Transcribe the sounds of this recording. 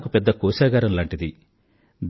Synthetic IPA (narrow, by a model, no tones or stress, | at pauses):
kupɛd̪ːɐkɔːʃaːɡaːɾɐmlaːɳʈid̪i | d̪